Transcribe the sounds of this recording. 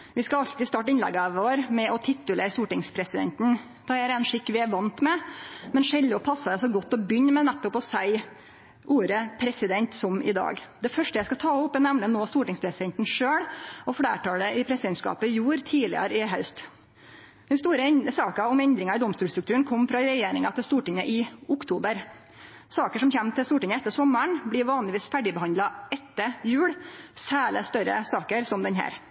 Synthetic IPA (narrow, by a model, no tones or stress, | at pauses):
ʋɪskɑɑlt̪ɪst̪ɑʈɪnlɛ̰ɡəɑʋoːɾmɛʔɔt̪ʰɪt̪ːələst̪uːʈɪŋspʰɾɛsɪd̪ɛ̰nt̪n̩ | t̪ʰɑæɾɛnʂɪkːʋɪæʋɑnt̪mɛmɛnʂɛld̪ɪɔpʰɑsːɑd̪ɛɑsɔɡɔt̪ːɔbʏɲːmɛnɛt̪ːɔpɔsæɪ | ʔuːɾəpʰɾɛsɪd̪ɛnt̪sɔmɪ̰d̪ɑ̰ːɡd̪ɛfœʂʈəjæɪskɑt̪ʰɑːʊpːænæmnənoːst̪uːʈɪŋspʰɾɛsɪd̪ɛnt̪n̩ʂøːɽɔfɽæ̰ːʈɑːɽəʔɪpʰɾɛsɪd̪ɛnt̪skɑ̰ːpəɪjuːɾt̪ʰiːlɪ̰ɑ̰ɾɪɦɑʉst̪ | d̪̥ɛnst̪uːɾəsɑːkɑɔmɛnd̪ɾɪŋɑɪd̪ɔmst̪uːlst̪ɾʉkt̪ʰʉːənkʰɔmːfɾɑɾɛjeːɾɪŋɑt̪ʰɪlst̪uːʈɪŋːəʔɪʊkt̪ʰuːbəɾ | sɑːkəʂɔmçɛmːt̪ʰɪlst̪uːʈɪŋːəɛt̪ːəsɔməɳblɪɾʋɑːnlɪʋiːsfæɖɪbəhɑnd̪lɑɛt̪ːəjʉːɽsæːɭə̰st̪œɾə̰sɑːkəɾsɔmd̪ɛnɦæ̰ːɾ